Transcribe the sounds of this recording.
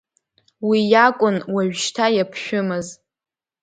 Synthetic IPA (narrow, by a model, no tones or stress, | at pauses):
wijakʷʼʊnwaɥᶣʃtʰajapʰʃᶣʊmɨz